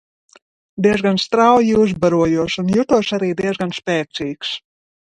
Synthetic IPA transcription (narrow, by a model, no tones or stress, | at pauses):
d̪iɛzɡanst̪ɾawjuːs̬baɾuɔjuɔsunjut̪uɔʃaɾiːd̪iɛzɡanspʲɛːsiːks